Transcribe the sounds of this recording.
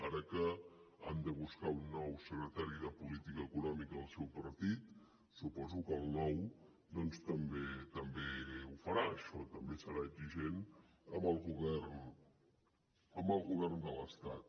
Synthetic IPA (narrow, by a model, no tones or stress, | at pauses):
aɾəkəa̰nd̪əβ̞uskaunːɔwsəkɾət̪aɾiðəpulit̪ikəːkunɔmikəːlˠsɛwpəɾt̪it̪ | supɔzukəlˠnɔw | d̪ɔnst̪əmbet̪əmbeufəɾaəʃɔt̪əmbesəɾaəɡziʒen | əməlˠɣuβɛrn | əmbəlˠɣuβɛrnd̪ələst̪at̪̚